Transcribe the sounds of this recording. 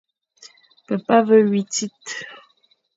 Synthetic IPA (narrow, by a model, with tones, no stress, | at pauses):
pə˨pa˦və˦ɥi˨ti˦t